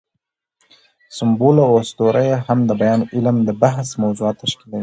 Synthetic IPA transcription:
sɪmbolaosd̪oɾʔajahamd̪əbajɑnʔɪlamd̪əbaɦsmawzuɑːt̪ːaʃkilawi

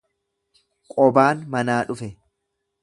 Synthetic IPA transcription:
kʼɔbaːnmɐnaːᶑʊfɛ

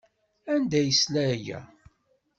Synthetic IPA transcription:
ænd̪æjəslæjæ̰

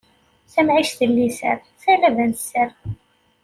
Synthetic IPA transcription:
θæmʕiʃθəlːisə̰ɾ | θælævænsːəɾ

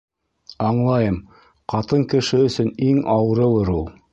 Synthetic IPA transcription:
ɑɴlˠɑjɤm | qɑt̪ɤŋkɘ̆ʃɘɵ̆sɵniŋɑwɤ̆ɾɤ̆lˠɤɾulˠ

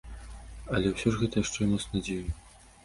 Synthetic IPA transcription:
ɐlʲɛwsʲɔʐɣɛt̪ɐjaʂt͡ʂɛmɔt̪snɐd͡zʲeju

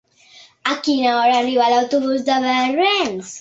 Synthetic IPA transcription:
akinaɔɾaːrivalawt̪uβuzd̪aβɛrɛms

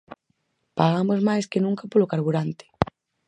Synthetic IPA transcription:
paɣamozmajskɪnũŋkapolokaɾβuɾant̪ɪ̥

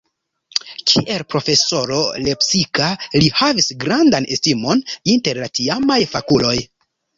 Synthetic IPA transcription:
kʰḭʔe̞lpɾo̞fe̞so̞ɾole̞psikalihavisɡɾandanʔe̞stimo̞ninte̞ɾlatiamajfakulo̞j

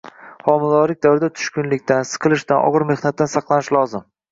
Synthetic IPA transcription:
χɒmɪlˠɒlɪk̚ʲd̪avɾɪd̪at̪ʰʊ̥ʃkʲʊnlɪkʲt̪ʰansɨ̥qʰɨlˠɪʃt̪anʔɒ̰ʁɨɾme̞χnat̪ːansɑqlˠanɪʃlɒzɪm

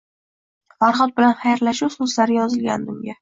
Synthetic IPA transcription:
faɾχɒt̪̚bɪlanχajɾlaʃʊwsʊzlaɾɪjɒzɪlɡʲa̰nd̪ʊmɡʲa

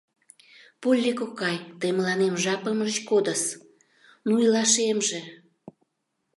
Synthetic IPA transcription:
pulʲːikokɑjt̪əjmlɑnemʒɑpəmət͡ɕkod̪əs | nujlɑʃemʒe

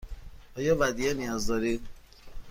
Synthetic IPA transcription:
ɒːjɒːvæd̪ienijɒːzd̪ɒːɾi

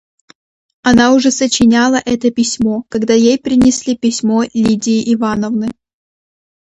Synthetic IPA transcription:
ɐnaʊʐɛsət͡ɕɪnʲalˠəʔɛt̪əpʲɪsʲmo̞kɐɡd̪ajejpɾʲɪnʲɪsʲlʲipʲɪsʲmo̞lʲidʲɪːʔɪvanəvnɨ

